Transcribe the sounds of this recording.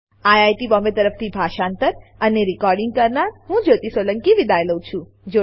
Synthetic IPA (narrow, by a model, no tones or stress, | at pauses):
ajajʈibɔmbet̪əɾəft̪ʰibʱaʃaːnt̪əɾəneɾikɔɾɖiŋɡ̚kəɾnaɾɦũd͡ʒot̪isələŋkiʋid̪ajləwt͡ʃʰũ | d͡ʒo